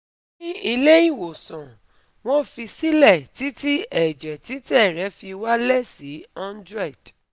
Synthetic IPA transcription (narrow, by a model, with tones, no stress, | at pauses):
i˦i˧le˦jĩ˦˨wo˨sɔ̃˨ | w̃ɔ̃˦fi˧si˦lɛ˦˨ti˨˦ti˦ɛ˨d͡ʒɛ˨ti˨˦tɛ˦˨ɾɛ˨˦fi˧wa˦lɛ˦˨si˨˦ã˦ndɾɛ˦˨d̥